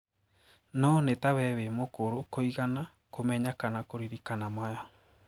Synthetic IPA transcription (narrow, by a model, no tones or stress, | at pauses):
nonet̪aβɛβemokoɾokoiɣana | komeɲakanakoɾiɾikanamaja